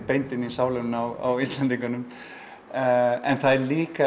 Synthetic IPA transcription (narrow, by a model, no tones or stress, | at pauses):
pejnt̪ɪnisaːwlʏnnawa̰wist̪lant̪iŋkʏnʏm | ɛnθaðɛɾliːka